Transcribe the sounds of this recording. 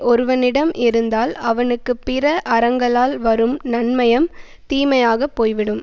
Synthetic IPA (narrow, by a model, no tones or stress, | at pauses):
ʔɔɾɯʋɐnɪɽɐmʔɪɾɯnd̪aːlɐʋɐnɯkːɯpɪrɐʔɐɾɐŋɡɐɭaːlʋɐɾɯmnɐnmɐjɐm | t̪iːmɐjaːɣɐpːoːjʋɪɽɯm